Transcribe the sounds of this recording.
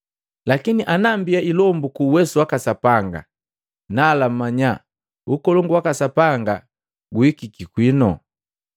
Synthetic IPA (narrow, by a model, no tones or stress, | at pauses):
lakiniʔanambiaʔilɔmbukuːwɛsuwakasapaŋɡa̰ | nalam̩mːaɲa | ukɔlɔŋɡuwakasapaŋɡa̰ | ɡuikikikwinɔ̰